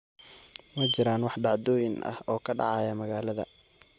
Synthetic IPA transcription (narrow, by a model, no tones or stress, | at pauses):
mɐt͡ʃɪɾaːnwɑħɖɑʕd̪ɔːjɪnʔɐ̰hɔːkʰɐɖɑ̰ʕɑjɐmɐɣaːlɐðɐ̰